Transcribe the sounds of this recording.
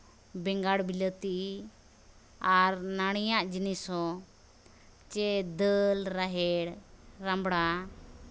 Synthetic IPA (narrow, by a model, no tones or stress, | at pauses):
bɛŋɡaɽbilət̪i | aɾnaɽ̃ijaʔd͡ʒinisɔ | t͡ʃɛd̪əlɾaɦɛɽɾambɽa